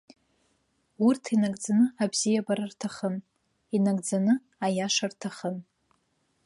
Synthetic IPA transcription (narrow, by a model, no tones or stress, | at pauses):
urtʰinaɡʼd͡zanɨabzijabaɾartʰaχən | inaɡʼd͡zanɨ | ajaʂartʰaχən